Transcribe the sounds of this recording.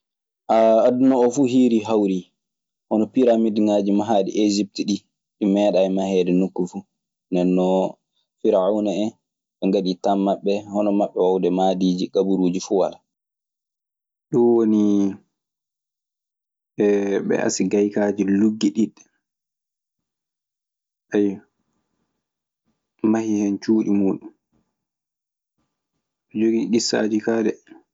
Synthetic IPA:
ʔaadunɔːfuɦiːɾiɦawɾi | hɔnɔpiɾamidiŋaːd͡ʒimaɦaːɗḭʔed͡ʒip̚tiɗi | ɗimɛːɗaɛmahɛːdɛnukːufu | ndɛnːɔ | fiɾaʕawnaɛ | ɓɛŋɡaɗitamːaɓːɛhɔnɔmaɓːɛwawdɛmadiːd͡ʒiɡabuɾuːd͡ʒifuwa̰la | ɗunwoni | ɛɓɛ̰ʔa̰siɡajkaːd͡ʒiluɡːiɗiɗːɛ | ʔajː | mahihɛnt͡ʃuːɗimuːɗum | ɓɛd͡ʒoɡiɗisːa̰ːd͡ʒikaːdɛ

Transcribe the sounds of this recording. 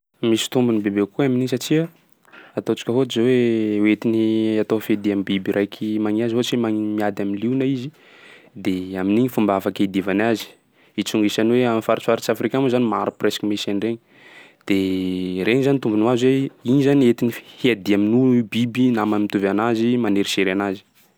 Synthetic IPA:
misi̥t̪umbunibebekuaminiɲsat͡ʃiə | at̪ot͡ʃi̥kʲəɦot͡ʃizawewet̪iniat̪ofead̪iamibibiɾʔajkʰimaŋiazɦot͡ʃimaŋmiad̪aminliunaizi | d̪eaminiɲifumbafakaid̪ivanazi̥ | it͡suŋɡisanweamifaɾit͡saɾit͡ʃafɾikamuzanimaɾupreskimesanreɲi | d̪̥ereŋizanit̪umbunuazweiɲizaniet̪inihiad̪iaminubibinamamit̪uvanazimaneɾiseɾanazi̥

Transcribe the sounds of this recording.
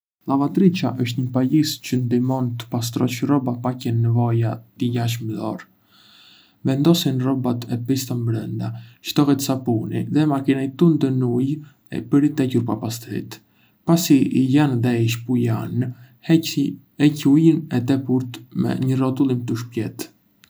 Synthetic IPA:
lˠavat̪ɾit͡ʃaʔəʃt̪ɲəpajiscənd̪imɔnt̪ə̥pas̬t̪ɾɔt͡ʃrɔbapacɛnːɛvɔjat̪əɟaʃ̬mðɔ̰ɾ | vɛnd̪ɔsinrɔbat̪ɛpist̪ambɾənd̪aʃt̪ɔhɛt̪sapunḭðɛmakinajt̪und̪ənuj | ɛ̰pəɾit̪ɛcuɾpapast̪ɾḭt̪ | pasiijanðɛiʃ̬pujan | ɛcujənɛt̪ɛpuɾt̪mɛ̰ɲərɔt̪ulˠimt̪əʃpjɛt̪

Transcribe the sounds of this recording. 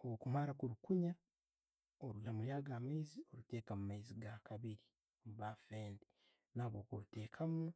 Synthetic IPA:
ookumaɾakuɾukuɲa | oɾulamuljaːɡaːmajzio̞ɾute̞ːkamumajziɡakaβiɾi | omuβafeːnde | naːβoːkote̞ːkʰamu

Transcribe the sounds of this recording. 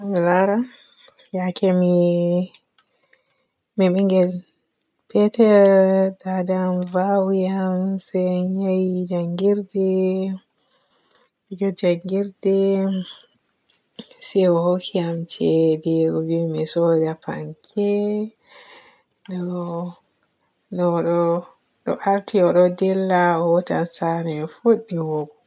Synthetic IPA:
ŋɛlaɾa | jakʰɛmi | mɛɓiŋɡɛl | pʰɛtɛɾdadamvawjamsɛɲajid͡ʒaŋɡiɾdɛ | iɡɔd͡ʒaŋɡiɾdɛ | sɛɔhokʰiamt͡ʃɛdɛuwimɛsɔdapa̰ŋkʰɛ | ɗɔ | nɔɗɔ | ɗɔ̰ʔaɾtiɔɗɔdɛlːaɔwɔta̰nsanɛɔfoɗːiiwɔbɔ

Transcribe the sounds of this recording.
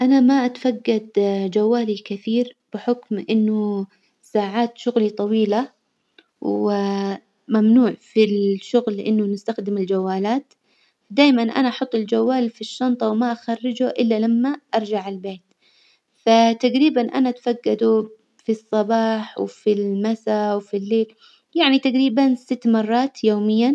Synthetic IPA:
ʔanamaʔat̪faɡːad̪d͡ʒawːaːlikɪθiːɾb̥ɪħʊkmʔɪnːʊ | saːʕaːt̪ʃʊɣlit̪ˤɑwiːla | wɪ | mamnuːʕfilʃʊɣlʔɪ̰nːʊnɪst̪axd̪ɪmɪld͡ʒawːaːlaːt̪ | d̪aːjmanʔa̰naʔɑħʊt̪ˤːɪld͡ʒawːaːlfiʃːɑnt̪ˤɑwmaʔaxarːɪd͡ʒʊʔɪlːalamːaʔɑɾˤd͡ʒaʕɪlbeːt̪ | fat̪aɡɾiːbanʔa̰naʔt̪faɡːad̪u | fisˤːɑbɑːħwfilmasawfilːeːl | jaʕnit̪aɡɾiːbansɪt̪ːmɑrˤːɑːt̪joːmɪjːa

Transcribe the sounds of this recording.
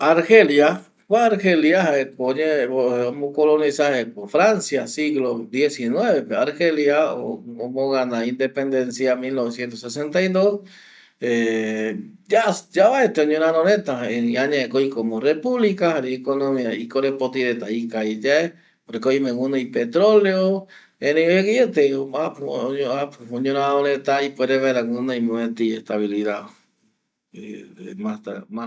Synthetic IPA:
aɾxelja | kwaaɾxeljahaekoɲeoomokolonisahekofɾansjasiɣlod̪jesinweβepeaɾxeljao̰omoɣanaind̪epend̪ensjamilnoβesjent̪osesent̪ajd̪os | e | d͡ʒasd͡ʒaβaet̪eoɲõnanonet̪aeiaɲãekoikomorepuβlikahaɾiekonomiaikoɾepot̪iðet̪aikaed͡ʒae | oɾekoimẽɡund̪oipet̪ɾoleo | eneoekeet̪eapoapoɲõnaonet̪aipweɾeβeɾaŋund̪oimoet̪iest̪aβiliða | emat̪ama

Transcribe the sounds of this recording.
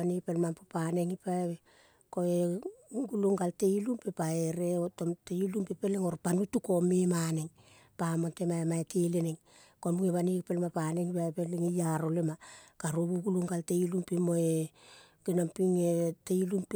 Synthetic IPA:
anipelmampopane̞ŋipaeβe | koeɡuloŋɡalte̞ilumpepaeɾeotomtelumpepeleŋo̞ɾpanutukomemaneŋ | pamontemaemaetʰejleneŋ | komuŋeβanipelmapaneŋipaebeleŋejaɾolemakaɾoβuɡuluŋɡaltejlumpemoe | ɡ̥inampiŋetejilump

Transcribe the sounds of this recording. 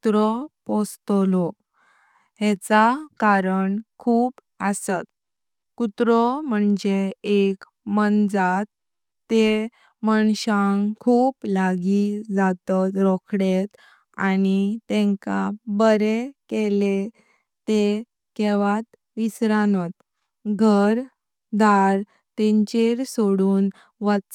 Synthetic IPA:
t̪ɾɔpɔst̪lɔ | ɦɛt͡sakaɾəɳkʰuːp | əsat̪ | kut̪ɾɔm̤əɳd͡ʑeek | mənd͡zat̪ː | e | məɳɕaŋkʰuːplaɡid͡zat̪ɔt̪ɾɔkʰɽet̪ | anit̪ɛ̃ŋkabəɾekele | t̪e | kɛʋat̪ | ʋisɾanɔt̪ | ɡʱəɾ | d̪ʱaɾ | t̪ɛ̃ɲt͡ɕeɾsoɽuːn | ʋa

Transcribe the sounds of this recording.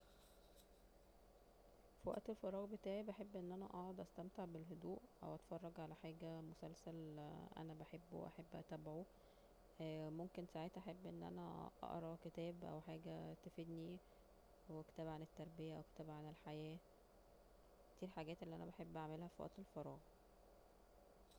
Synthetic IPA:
fiwæ̰ʔt̪elfɑɾˤɑːɣbet̪æːʕibæħebːʔenːʔænæ̰ʔɑʕod̪ˤʔæst̪æmt̪eʕbelɦod̪uːʔʔæ̰wʔæt̪fɑrˤːɑɡʕalæħaːɡæmosælsælʔæ̰næbæħebːwʔæ̰ħebːʔæ̰t̪æbʕu | momkensaʕeːt̪ʔaħebːʔenːʔæ̰næʔɑ̰ʔɾˤɑket̪æːbʔæ̰wħaːɡæt̪æfed̪ni | wekt̪æːbʕanet̪ːɑɾˤbejæʔæweket̪æːbʕanelħajæː | kt̪iːɾħaɡæːt̪ʔelːiʔæ̰næbaħebːʔaʕmelhæfiwæ̰ʔt̪elfɑɾˤɑːɣ

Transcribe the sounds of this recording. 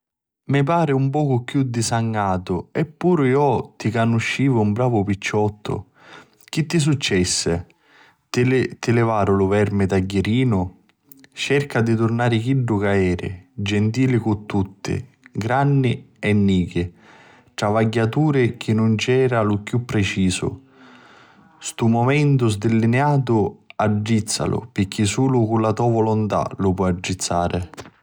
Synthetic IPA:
mɪpaːɾɪumpɔːkʊkjud̪ːisaŋːaːt̪ʊɛpːuːɾʊjɔt̪ːikanːuʃːiːvʊumbɾaːvʊpit͡ʃːɔt̪ʰːʊ̰ | k̟it̪ːis̬ut͡ʃːɛsːɪ | t̪t̪ɪlɪvaːɾʊlʊvɛɾmɪt̪aɟːeɾiːnʊ | t͡ʃɛrkad̪it̪ʊrnaːɾɪk̟iɖːʊkaɛːɾɪ̰d͡ʒɛnt̪iːlɪkʊt̪ːut̪ːɪ̰ | ɡɾanːɪ | ɛnːiːk̟ɪ | ʈɾavaɟːat̪uːɾɪk̟ɪnːʊnt͡ʃɛːɾalʊkjupːɾɪt͡ʃiːsʊ̰ | st̪umomɛnt̪ʊzd̪ɪlːineaːt̪̬ʊad͡ʒːit̪sːa̰lʊ̰pɪkːisuːlʊkʊlːat̪ɔːvɔlʊnt̪a̰lʊpɔad͡ʒːit̪sːaːɾɪ

